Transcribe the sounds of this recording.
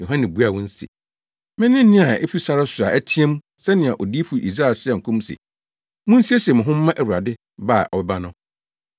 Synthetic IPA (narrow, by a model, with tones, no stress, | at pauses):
jo˨ɦã˦nɪ̃˨bu˦a˨wʊ̃˦n̩˦sḭ˨ | mɪ̃˦nɪ̃˦n̩˦nɪ̃˦a˨ḛ˦fi˦sa˦ɾɪ˦sʊ˨a˨ʔæ˦tʰi˦ɛ̃˦m˦ | sɛ˦nɪ̃˨ã˨ʔɔ˨di˦fu˨˦ḭ˨s̬ɾa˦˨lsɛ˦˨ŋ̩˨kʰũ˦m˦sḭ˨ | mʊ̃˦n̩˦si˦e˦sɛ˨mʊ̃˨ɦʊ̃˦m̩ː˦ã˦ʔæ˨wu˨a˨dɪ˦ | ba˦˨ʔɔ˨bɛ˦ba˦nʊ̃˦